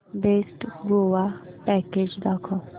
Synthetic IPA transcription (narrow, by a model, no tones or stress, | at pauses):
besʈɡoʋa | pɛked͡ʑd̪akʰɔ